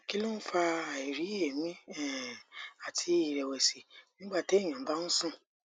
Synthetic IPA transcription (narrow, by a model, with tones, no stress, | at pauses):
ki˦lo˦fa˧˨i˨ɾi˨˦e˨mĩ˨˦ɛ˦˨a˨tʰi˧˦i˦˨ɾɛ˨wɛ˨si˨nĩ˦ɡ͡ba˦˨te˨˦i˦˨j̃ã˨˦ba˦nũ˦sũ˦˨